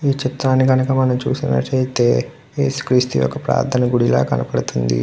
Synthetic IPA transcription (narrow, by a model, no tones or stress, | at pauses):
iːt͡ʃit̪ɾaːnːiɡɐnukɐmɐnɐmt͡ʃuːsinɐ̰ʈejt̪eː | jeːsu̥kɾist̪ijɔ̰kːɐpɾa̰ːd̪ʰʱɐnɐɡuɽila̰ːkɐnɐpɐɽut̪und̪ḭ